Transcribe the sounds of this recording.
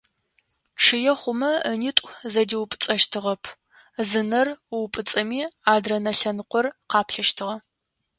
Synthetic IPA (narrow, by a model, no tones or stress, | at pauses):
ʂɨjɛχʷʊmɐnitʷʼzɐdiwpʼɨ̥t͡sʼɐʃtʰɨʁɐpʰ | zɨnɐrwpʼɨt͡sʼɐmiːaːdrɐnɐɬɐnqʷɔrqɑːpʰɬɐʃtʰɨʁɐ